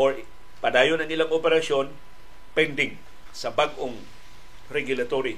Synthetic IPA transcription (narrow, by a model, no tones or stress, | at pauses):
ʔoɹ | pɐd̪aːjonɐŋɪlaŋʔopɛɾɐʃjo̞n | pɛnd̪ɪŋ | sɐbaɡʔoŋ | ɾɛɡjʊlɐt̪oɾi